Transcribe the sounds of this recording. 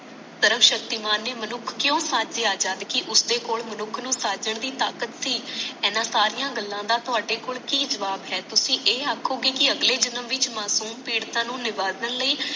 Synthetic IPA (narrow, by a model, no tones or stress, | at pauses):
səɾəkʃək̚t̪iːmaːnːeːmənʊkʰkjõːsaːd͡ʒeːaːd͡ʒaːd̪kɪʔʊsd̪eːkoːɭmənʊkʰnũːsaːd͡ʒəɳd̪iːt̪aːkət̪siːɛːnãːsaːɾijãːɡəlːãːd̪aːt̪ʊɦaːɖeːkoːlkiːd͡ʒəʋaːbɦɛːt̪ʊsĩːʔeːaːkʰːoːɡeːkɪəɡleːd͡ʒənəmʋɪt͡ʃmaːsuːmpiːɽt̪ãːnũːnɪʋaːzənləiː